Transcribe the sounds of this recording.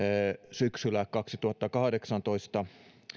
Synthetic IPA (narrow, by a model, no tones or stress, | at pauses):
syksylækkɑksit̪uhɑt̪ːɑkɑhɑdeksɑnt̪oist̪ɑ